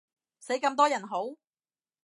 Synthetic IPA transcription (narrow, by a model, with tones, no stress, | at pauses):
se˨˥jkɐ˧mt̪ɔː˥jɐ˨˩nɦo˨˥w